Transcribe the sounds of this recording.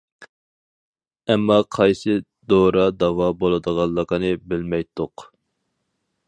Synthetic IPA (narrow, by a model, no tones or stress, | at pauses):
ɛmːɑqʰɑjsɨ | d̪oɾɑd̪ɑwɑbolˠɨd̪əʁɑlˠːəqənɨbɪlmɛjt̪ʰːʊq